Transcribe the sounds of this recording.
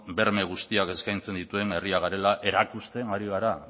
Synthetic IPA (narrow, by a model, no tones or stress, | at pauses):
be̞ɾme̞ɣ̞ust̪iake̞skajnt͡se̞nd̪it̪ue̞ne̞riaɣaɾe̞laʔe̞ɾakust̪e̞maɾiɣaɾa